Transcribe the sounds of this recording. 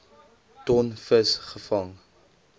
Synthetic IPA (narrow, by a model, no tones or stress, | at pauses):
tɔnfəsχəfɐŋ